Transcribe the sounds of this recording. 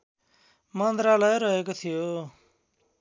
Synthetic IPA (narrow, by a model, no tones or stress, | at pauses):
mand̪ɾaːləjeɾʌɦeːkot̪ʰijoː